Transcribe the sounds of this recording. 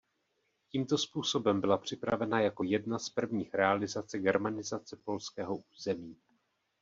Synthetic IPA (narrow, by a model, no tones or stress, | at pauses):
ciːmt̪o̞spuːso̞bɛmbɪlapr̝̥ɪpɾavɛnajako̞jɛdnaspr̩vɲiːxɾɛalɪzat͡sɛɡɛɾmanɪzat͡sɛpo̞lskɛːɦo̞ʔuːzɛmiː